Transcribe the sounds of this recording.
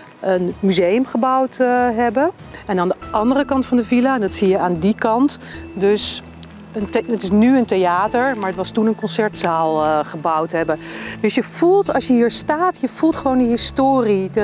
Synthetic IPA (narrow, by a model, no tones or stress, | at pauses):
ʔənmyzejəmχəbʌwtɦɛbə | ɛnaːndəʔɑndərəkɑntfɑndəvilaɛndɑtsijəaːndikɑntdɵs | ənətɪsnyəntejaːtəɹmaːɹətʋɑstunənkɔnsɛɹtsaːlˠχəbʌwtɦɛbəd̥ɵsjəv̥ulˠtɑlˠsjəɦiːɹstaːtjəvulˠtχəʋowndəɦɪstoːri